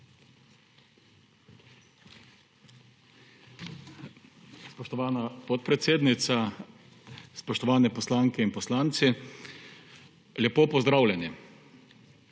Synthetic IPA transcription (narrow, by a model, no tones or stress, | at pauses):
spɔʃt̪ɔʋaːnapɔt̪̚pɾɛt̪seːd̪nit̪sa | spɔʃt̪ɔʋaːnɛpɔslaːŋkɛinpɔslaːnt̪si | ljɛpoːpɔzd̪ɾaːwlʲɛni